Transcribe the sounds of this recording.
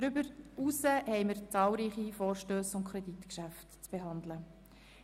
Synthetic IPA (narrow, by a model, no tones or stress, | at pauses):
ɾʏbəɾusəhɛɪməɾt͡sɑːlɾiːχifɔːɾʃtøːsʊntkʰɾɛditkʃæftt͡sb̥eɦɑnd̪lə